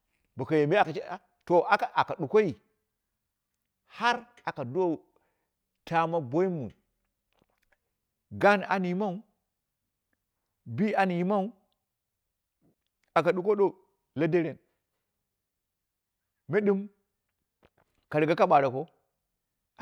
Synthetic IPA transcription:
ba˨ka˨je˨m˦a˨a˨t͡ʃ | to˨ʔa˨ka˨ʔa˨ka˨ɗu˨ko˦ji˨ | ha˦ɾ | a˨ka˨do˦˨ | ta˦ma˦bo˦i˦mṵ˨ | ɡa˦na̰˨ni˨˦ma˦u˦ | bi˦a˨˦ni˨jma˦u˦ | a˨ka˨ɗu˨ko˦ɗo˦ | la˦de˦ɾe˨n | me˦ɗi˦m | ka˨ɾi˨ɡa˦ka˦ɓa˨ɾa˨ko˦

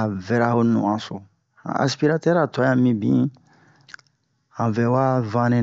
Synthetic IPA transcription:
a˨vɛ˨ɾa˦ho˦nṵ̃˨ã˨so˨ | ã̰˨ʔa̰˨spi˦ɾa˦tɛ˦ɾa˨tɔ˨˦jã˦mĩ˦bĩ˦ | hã˨vɛ˨wa˦vã˦nẽ˦

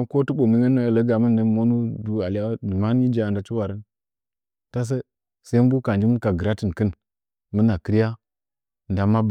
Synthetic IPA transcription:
ko˦tə˦ɓo˨mi˦ŋə˦nːo˦ja˨lə˦ɡa˨mə˦n˦ə˦mo˦nu˦du˦a˨li˦a˦du˨ma˦n˦i˦d͡ʒa˦˨nda˦t͡ʃi˦wa˨ɾə˦n | ta˦s̬ə˦ | sa˦m˦bu˦ka˨nd͡ʒi˦mə˦n˦ka˨ɡə˨ɾa˦ti˨nkə˦n | mə˦na˨kə˦ɾja˦˨ | nda˨mːa˦b

